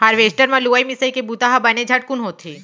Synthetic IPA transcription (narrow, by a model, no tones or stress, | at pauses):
haɾʋesʈəɾmãluʋajmisəjkebut̪aɦabɐned͡ʒʱaʈ̚kunɦot̪ʰi